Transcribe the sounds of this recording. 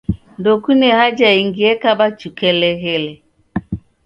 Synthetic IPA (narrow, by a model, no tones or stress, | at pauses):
ndokuneɦad͡ʒaiŋɡiekabat͡ʃukeleɦele